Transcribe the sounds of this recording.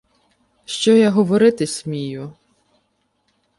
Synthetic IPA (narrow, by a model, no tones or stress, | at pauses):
ʃt͡ʃɔjaɦɔʋɔɾɪt̪ɪsʲmʲijʊ